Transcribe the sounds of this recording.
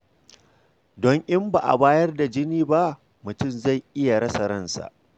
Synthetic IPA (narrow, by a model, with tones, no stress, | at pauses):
dɔ˦ŋʔɪ˦mba˨ʔa̰˨baː˦jɐ˦rda˨d͡ʒɪ˦niː˦ba˦ʔ | mʊ˨tʊ˦˨mza˦˨jʔɪ˦ja˨ɾɐ˦sɐ˨ɾɐ˦nsa̰˨ʔ